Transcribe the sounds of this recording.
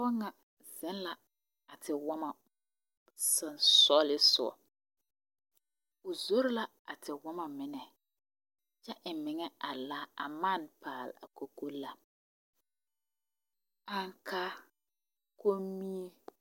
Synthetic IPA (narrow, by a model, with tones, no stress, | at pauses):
ɔ˦ŋa˨ | z̥ɪ˦n˦la˨ | a˨tʰɪ˨wɔ˦ma˨ | sɔ˨nsɔ˦lɪ˦sʊ̰˨ɔ̰˨ | ʊ˨zo˦ɾɪ˦la˦ | a̰˨tʰɪ˨wɔ˦ma˨mɪ˨nɛ˨ | t͡ʃɛ˦ʔɪ˨mɪ˨ŋɛ˦a˨laː˦a̰˨ma˦˨npʰaː˨l̰a̰˨ko˨ko˦la˨ | a˨ŋkʰaː˦ | ko˦mi˦e˦